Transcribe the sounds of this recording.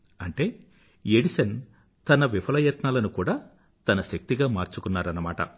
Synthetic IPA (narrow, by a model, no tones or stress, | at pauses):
ɐɳʈe̞ː | eɽisɐn | t̪ɐnɐʋipʰɐlɐjɐt̪naːlɐnukuːɽaː | t̪ɐnɐʃɐk̚t̪iɡaːmaːɾt͡ʃukunːaːɾɐnɐmaːʈɐ̰